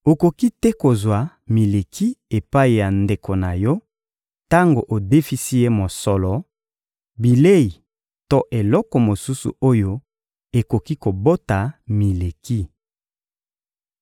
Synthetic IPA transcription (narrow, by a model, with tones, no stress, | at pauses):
o˨ko˨ki˦tɛ˦ko˨zwa˨ | mi˨le˨kʰi˦e˨pa˦i˨ja˨nde˨ko˨na˨jɔ˦ | ta˦ŋɡo˨ʔo˨de˦fi˦si˦je˦mo˨sɔ˨lɔ˨ | bi˨le˦i˨ | to˦ʔe˨lɔ˦kɔ˨mo˨su˦sṵ˨o˦jo˦ | e˨ko˨ki˦ko˨bo˦ta˨mi˨le˨ki˦